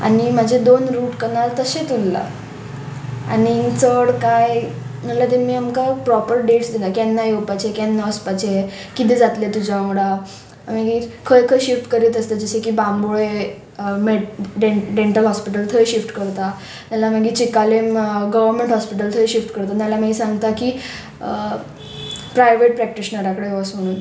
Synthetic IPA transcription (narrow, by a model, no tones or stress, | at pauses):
a̰nimad͡ʑʱed̪onɾuːʈkənalt̪əɕet̪ulːa̰ | a̰nit͡səɽkajməɽlat̪emiːamkapɾɔpəɾɖeʈsd̪ilakɛnːajopat͡ɕekɛnːaəspat͡ɕe | kit̪ed͡zat̪let̪ud͡ʑamuɽa | məɡiːkʰəjkʰəjɕifʈkəɾiːt̪əst̪əd͡ʑəɕekiːbamboɭe | meɖeɖeɳʈəlɦɔspiʈ̬əlt̪ʰəjɕifʈkəɾt̪a | t̪jalamaɡiːt͡ɕikalemɡəʋəɾmẽɳʈɦɔspiʈ̬əlt̪ʰəjɕifʈkəɾt̪anjalamaɡiːsãŋɡt̪aki | pɾajʋeʈ̚pɾæk̚ʈiɕnaɾakəɽeʋɔsm̤əɽ̃uːn